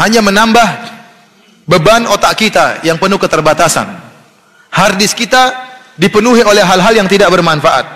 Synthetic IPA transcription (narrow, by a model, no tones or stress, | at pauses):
haɲamənambah | bəbanot̪aʔkit̪a̰jaŋpənukət̪ərbat̪asa̰n | hardɪskit̪a | dipənuɦiolɛhɦalɦaljaŋt̪idaʔ̚bərmanfaʔa̰t̪̚